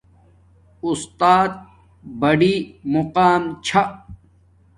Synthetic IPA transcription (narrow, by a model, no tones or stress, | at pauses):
ust̪aːt̪̚ | bɐɽimuqaːmt͡ɕʰa